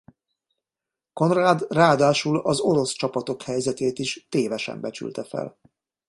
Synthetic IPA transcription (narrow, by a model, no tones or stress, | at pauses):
ko̞nraːd̪raːd̪aːʃulɒzo̞ɾo̞st͡ʃɒpɒt̪o̞khɛjzɛt̪eːt̪iʃt̪eːvɛʃɛ̰mbɛt͡ʃy̰lt̪ɛfɛ̰l